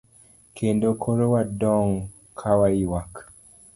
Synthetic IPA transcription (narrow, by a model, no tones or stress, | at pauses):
kʰendokʰoɾowadɔŋ | kʰawaiwak